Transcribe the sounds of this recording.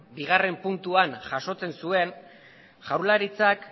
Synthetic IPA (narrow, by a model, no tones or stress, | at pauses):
biɣ̞are̞mpunt̪uanʝaʃo̞t͡se̞nsue̞n | ʝawɾlaɾit͡sak